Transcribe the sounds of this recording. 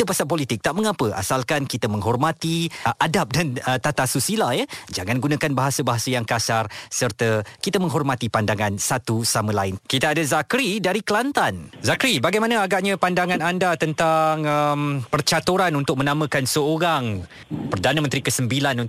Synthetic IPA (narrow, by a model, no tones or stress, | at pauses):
t̪əpasapolit̪ɪk̚t̪aʔməŋapəʔa̰salkankit̪amə̃ŋɦɔrmat̪iʔadap̚danət̪at̪asusilajəd͡ʒaŋãnɡunãkanbaɦasabaɦasajaŋkasarsərt̪əkit̪amə̃ŋɦɔrmat̪ipandaŋansat̪usamə̃laɪnkit̪aːdazakɾidaɾiklant̪anzakɾibaɡajmanə̃aɡaʔɲãpandaŋãnandat̪ənt̪aŋəmpərt͡ʃat̪uɾanunt̪ʊk̚mə̃namə̃kansəoɾaŋ | pərdanəmə̃nt̪ɾikəsəmbilanu